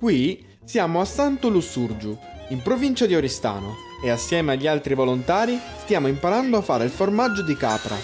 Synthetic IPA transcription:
kwi | sjaːmoasːant̪ʊlusːurd͡ʒu | impɾovint͡ʃad̪ioɾist̪a̰ːno | easːjɛːmeaʎːialt̪ɾivolont̪aːɾist̪jaːmoimpaɾand̪oafːaːɾeilformad͡ʒːod̪ika̰ːpɾa̰

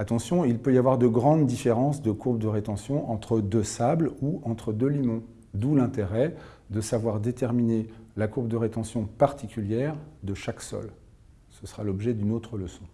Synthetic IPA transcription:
at̪ɑ̃sjɔ̃ilpøjavwaʁd̪əɡʁɑ̃d̪ːifeʁɑ̃sd̪əkuʁbd̪əʁet̪ɑ̃sjɔ̃ʔɑ̃t̪χəd̪øsabluɑ̃t̪χəd̪ølimɔ̃ | d̪ulɛ̃t̪eʁɛ | d̪əsavwaʁd̪et̪ɛʁminelakuʁbd̪əʁet̪ɑ̃sjɔ̃paʁt̪ikʲyljɛʁd̪əʃaksɔ̰l | səsəʁalɔbʒɛd̪ynot̪χələsɔ̃

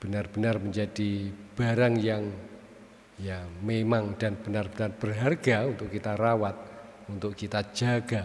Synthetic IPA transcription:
b̥ənarb̥ənarməɲd͡ʒadib̥aɾaŋjaŋ | jamemaŋd̥anb̥ənarbənarb̥ərɦarɡaunt̪ʊʔkːit̪aɾawat̪̚ | unt̪ʊʔkit̪ḁd͡ʒ̥aɡ̥a

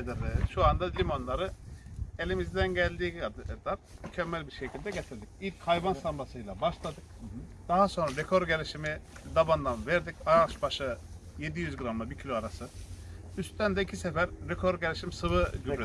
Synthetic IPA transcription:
d̪ɯɾʃuand̪alʲimo̞nlˠaɾɯe̞lʲimizd̪ænɟælʲd̪iːlˠaɾmycʰɛmːælʲbiɾʃecʰilʲd̪ɛɟe̞t̪ʰiɾd̪ic̚ilʲcʰhajbansambasɯjlˠabaʃlˠad̪ɯk̚d̪̥aɦaso̞nɾaɾekʰoɾɟe̞lʲiʃimid̪aband̪anvɛɾd̪icajaʃbaʃɯ | je̞d̪ijyzɡɯɾamlˠabicʰilʲoaɾasɯyst̪ænd̪ɛicʰisɛfæɾːekʰo̞ɾɟelʲiʃimsɯβɯɟyɾe

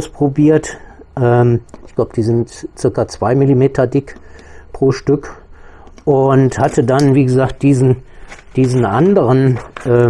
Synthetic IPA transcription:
ʊspʁ̥obiːɐtʔɛːmʔɪçɡ̥laʊbəd̥iːzɪntt͡sɪɐkat͡sv̥aɪmilimeːtʰɐdɪkpʁ̥oːʃtʏk | ʔʊnthatədanviːɡəzaːkt̚d̥iːzn̩d̥iːzn̩ʔa̰ndəʁənʔɛː

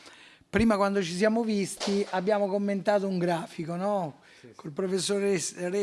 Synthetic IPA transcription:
pɾiːmakwand̪ot͡ʃis̬jaːmovist̪iabːjaːmokomːent̪aːt̪ouŋɡɾaːfikonɔ | kolpɾofesːoɾeɾe

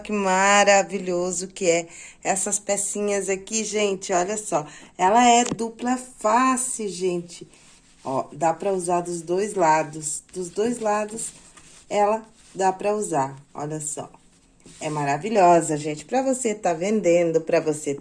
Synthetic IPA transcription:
kɪmaɾaviʎozʊkɪɛɛsɐspɛsĩɲɐzakiʒẽt͡ʃɪɔʎɐsɔɛlɐɛd̪uplɐfasɪʒẽt͡ʃɪ | ɔd̪apɾɐuzaɾd̪ʊzd̪ojzlad̪ʊsd̪̥ʊzd̪ojzlad̪ʊs | ɛlɐ | d̪apɾɐuzaɾɔ̰ʎɐsɔ̰ | ɛmaɾaviʎɔzɐʒẽnt͡ʃɪ̥pɾɐvoset̪avẽnd̪ẽd̪ʊpɾɐvose

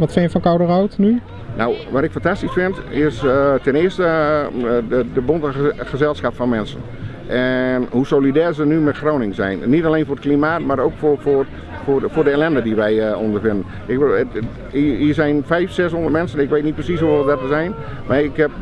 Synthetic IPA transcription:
ʋɔtfɪnjəfɔnkawdərawtny | nowʋatɪkfantastisfɪntɪstɛnɪəstə | ədəbontəxəzɛlˠsxapfɔnmɛnsə̰n | ʔɛnhusowlidɛːrzənymɛtxroːnɪŋzɛ̰jnːitaleːnfʊːrət̚klimaːtmaɾoːkfofor | ffʊːrdəelɛndədiʋɛjondərfɪndən | ɪk | iiːzɛjnfɛjfsɛshɔ̃ndərt̚mɛnsənɪkʋeːtnit̚prəsishuʋɔdɔtəzɛjn | marɪkhɛp̚

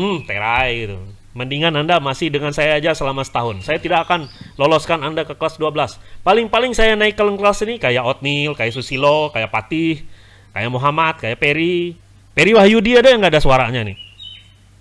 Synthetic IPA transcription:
m̩t̪ḛɾajɡit̪u | məndiŋanandamasɪhdəŋansajaːd͡ʒasəlamasə̥t̪aɦʊnsajat̪idakakanlɔlɔskanandakəkəlasduabəlaspalɪŋpalɪŋsajanaɪkːələŋklasinikajaʔɔt̪̚nilkajaʔsusilokajaʔpat̪ɪh | ka̰jaʔmoɦamat̪̚kajapeɾi | peɾiwaɦjudiadajaŋɡaːdasuwaɾaɲanɪ̰

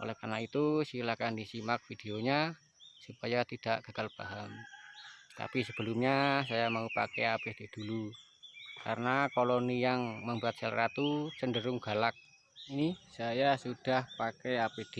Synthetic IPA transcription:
ʔo̰lɛhkanait̪usilakandisimak̚fid̪̥eoɲa | supajat̪id̥aʔɡ̥a̤ɡ̥alb̥aɦam | t̪a̰pisəb̥əlʊmɲasajamaupa̰kɛapid̪̥e̤d̪̥ulu | ka̰ɾənakolonijaŋməmbuat̪̚səlɾat̪usəndəɾʊŋɡ̥a̤lak̚ | inisajasud̥ahpakɛapid̪̥e

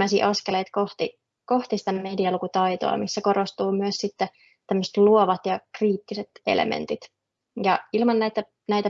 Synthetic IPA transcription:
æsḭːʔɑskelejt̪koht̪i | koht̪isi̥t̪æmediɑlukut̪ɑit̪o̰ɑ̰misːæko̞ɾost̪uːmyøssit̪ːe | t̪æmːøst̪luoʋɑt̪jɑkriːt̪ːiset̪ḛlḛmḛnt̪it̪ | jɑilmɑnnæit̪æ | næit̪æ

